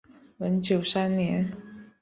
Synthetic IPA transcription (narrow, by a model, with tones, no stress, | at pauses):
wə˧˥nt͡ɕjo˨˩ʊsa˥nnjɛ˧˥n